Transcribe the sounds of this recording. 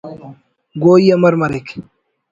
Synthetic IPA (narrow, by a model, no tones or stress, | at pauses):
ɡoːiɐmɐɾmɐɾek